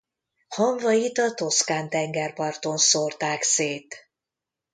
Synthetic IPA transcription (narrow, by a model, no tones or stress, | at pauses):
hɒɱvɒjit̪ɒt̪o̞skaːnt̪ɛŋɡɛrpɒrt̪o̞nsort̪aːkseːt̪